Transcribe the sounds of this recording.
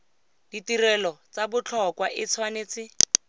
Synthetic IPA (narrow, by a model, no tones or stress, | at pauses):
d̥itirɛlɔt͡sabʊt͡ɬʰɔkwaʔɪt͡sʰwaneːt͡sɪ